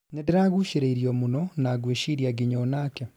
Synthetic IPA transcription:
nedeɾaɣuʃeɾeiɾjɔmonɔnaɣweʃiɾjaɡiɲɔːnaːkɛ

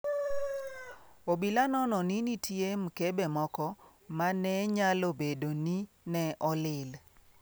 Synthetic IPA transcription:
obilanɔnɔninitjemkebemɔkɔ | manɛɲalobedoni | nɛʔɔlɪl

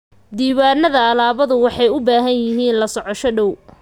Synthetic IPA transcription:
d̪iːwaːnɐðɐːlaːβɐðʊwɑħɑjʊbaːɦɐnjɪɦiːnlɐsɔʕɔʃɔɖɔw

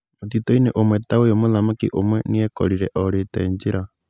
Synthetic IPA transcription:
ot̪itɔineʔomwɛtaojomoðamakḭʔomwɛniɛkɔ̰ɾiɾɛʔɔɾetɛɲd͡ʒiɾa

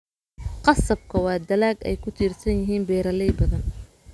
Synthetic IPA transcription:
qɑsɐb̚kʰɐwɑːd̪ɐlaːɡɛ̰jkʰʊt̪ʰiːrsɐnjɪɦiːnbɛːɾɐlɛjbɐðɐn

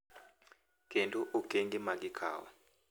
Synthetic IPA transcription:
kʼentʼuʔukʼeŋɡimak̬ʼikʰa̰ːwɔ̰

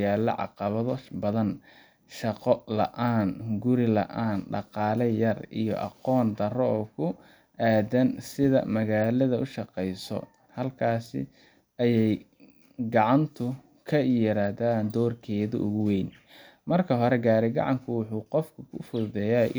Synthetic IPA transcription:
aːlːɐ̰ʕɑ̰qɑβɐðɔbɐðɐn | ʃɑqɔlɐ̰ʔaːnɡʊɾɪlɐ̰ʔaːnɖɑ̰qɑːlɐjɐrḭjɔ̰ʔɑ̰qɔːnd̪ɐrɔːkʰʊ | ʔaːdɐnsɪðɐ̰mɐɣaːlɐðɐʊʃɑqɛjsɔ̰ | hɐlkʰaːsɪ̰ | ɐjɛj | ɡɑʕɑnt̪ʰʊ | kʰɐjɪɾaːðaːnd̪ɔːrkʰɛːðʊʊɣʊwɛːn | mɐrkʰɐɦɔɾɛɡaːɾɪɡɑ̰ʕɑŋkʰʊwʊħuːqɔfkʰʊkʰʊ̰fʊðɛjaːʔ

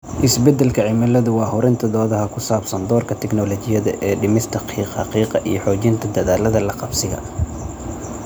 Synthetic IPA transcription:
ʔɪsbɛd̪ɛlkʰɐʕɪmɪlɐðʊwɑːhʊɾɪnt̪ʰɐd̪ɔːðɐɦɐkʰʊsaːbsɐnd̪ɔːrkʰɐt̪ʰɛknɔlɔt͡ʃɪjɐðɐ̰ʔɛːɖɪmɪst̪ʰɐqʰiqħɑ̰qiːqɐʔḭjɞħɔːt͡ʃɪnt̪ʰɐd̪ɐðaːlɐðɐlɐqɑbsɪɣɐ̰

